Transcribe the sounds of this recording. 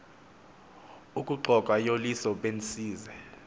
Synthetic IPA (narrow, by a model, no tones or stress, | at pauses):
ukʼuǃʱɔkʼwajolisɔɓensiːzɛ